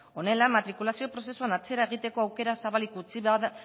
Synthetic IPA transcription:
o̞ne̞lamat̪ɾikulasio̞pɾo̞se̞suanat͡se̞ɾae̞ɣ̞it̪e̞ko̞awke̞ɾasaβalikut͡siβað

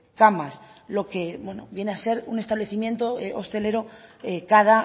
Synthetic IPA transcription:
kamaslo̞ke̞bwe̞no̰bje̞nease̞ɾunest̪aβle̞θimje̞nt̪oeost̪e̞le̞ɾoekaða

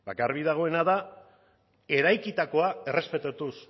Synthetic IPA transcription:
ba̰kaɾβiðaɣ̞o̞e̞naða | e̞ɾajkit̪ako̞ae̞re̞spe̞t̪at̪us

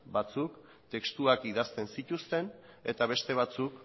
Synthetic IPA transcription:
bat͡suk | t̪e̞kst̪uakiðast̪e̞nsit̪ust̪e̞n | e̞t̪aβ̞e̞st̪e̞β̞at͡suk

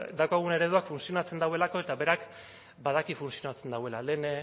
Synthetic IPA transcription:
d̪awkaɣ̞une̞ɾe̞ðuakfunsio̞nat͡se̞nd̪awe̞lako̞e̞t̪aβe̞ɾak | bað̞akifunsionat͡se̞nd̪awe̞lale̞ːn

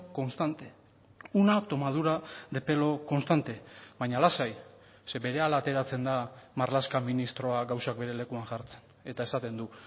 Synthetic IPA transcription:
ko̞nst̪ant̪e | unat̪o̞maðuɾaðe̞pe̞lo̞ko̞nst̪ant̪e̞βajɲalasaj | se̞be̞ɾe̞alat̪e̞ɾat͡se̞nd̪amarlaskaminist̪ɾo̞aɡawsak̚be̞ɾe̞le̞kuaŋʝaɾt͡se̞̥n | e̞t̪ae̞sat̪e̞nd̪u

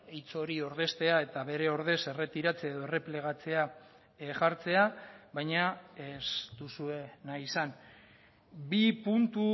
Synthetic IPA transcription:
ejt͡so̞ɾio̞ɾðe̞st̪e̞ae̞t̪aβe̞ɾe̞o̞ɾðe̞se̞re̞t̪iɾat͡se̞aeðo̞ere̞pleɣ̞at͡se̞a | ʝaɾt͡se̞aβajɲaest̪usue̞naisan | bipunt̪u

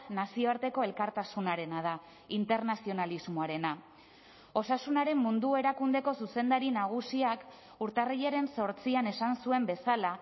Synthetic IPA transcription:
nasio̞aɾt̪e̞ko̞e̞lkaɾt̪asunaɾe̞nað̞a | int̪e̞ɾnasio̞nalizmoaɾe̞na | o̞sasunaɾe̞mːund̪ue̞ɾakund̪e̞ko̞suse̞nd̪aɾinaɣ̞usiak | uɾt̪ariʎeɾe̞nso̞ɾt͡siane̞sansue̞mbe̞sala

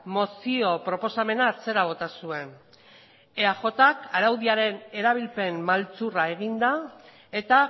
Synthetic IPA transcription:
mo̞sio̞pɾo̞po̞same̞naːt͡se̞ɾaβ̞o̞t̪asue̞n | e̞aʝo̞t̪akaɾawðiaɾe̞ne̞ɾaβ̞ilpe̞mmalt͡surae̞ɣ̞ind̪a | e̞t̪a

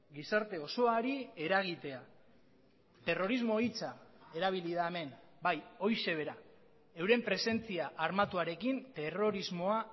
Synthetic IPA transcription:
ɡisaɾt̪e̞o̞so̞aɾie̞ɾaɣ̞it̪e̞a | t̪e̞ro̞ɾizmo̞it͡sae̞ɾaβ̞ilið̞aeme̞nbajo̞jʃe̞β̞e̞ɾa | e̞wɾe̞mpɾe̞se̞nt͡siaʔaɾmat̪uaɾe̞kint̪e̞ro̞ɾizmo̞a

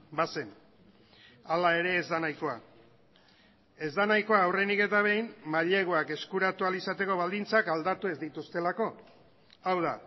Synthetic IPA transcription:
base̞n | alae̞ɾe̞ːzd̪anajko̞a̰ | e̞zd̪anajko̞aːwrenike̞t̪aβ̞e̞jmːaʎe̞ɣ̞oake̞skuɾat̪ualisat̪e̞ko̞βald̪int͡sakald̪at̪ue̞zd̪it̪ust̪e̞lako̞ | awð̞a

